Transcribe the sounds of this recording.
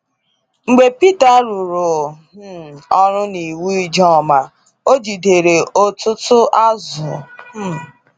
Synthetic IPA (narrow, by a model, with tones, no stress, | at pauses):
ŋ͡m̩˨ɡ͡be˨pi˦ta˨˦ɾu˨ɾʊ˨˦ | ɔ˦ɾʊ˦ni˨wu˦i˦d͡ʒɔ˦˨ma˨ | o˦d͡ʒi˨de˨ɾe˨o˦tʊ˦tʊ˦ʔa˦zʊ˨˦